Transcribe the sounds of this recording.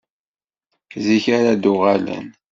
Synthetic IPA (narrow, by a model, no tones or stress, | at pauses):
ziçaɾad̪ʊʁalə̰n